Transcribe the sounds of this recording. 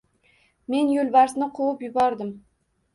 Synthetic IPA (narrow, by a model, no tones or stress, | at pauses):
me̞njolˠbaɾsnɪqʰowʊpjʊbɒɾd̪ɪm